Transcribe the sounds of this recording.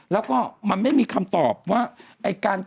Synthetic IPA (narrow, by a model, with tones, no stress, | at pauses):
lɛː˦˥wkɔː˥˩ma˧nma˥˩jmiː˧kʰa˧mt̪ɔː˨˩p̚waː˥˩ | ʔa˧jkaː˧n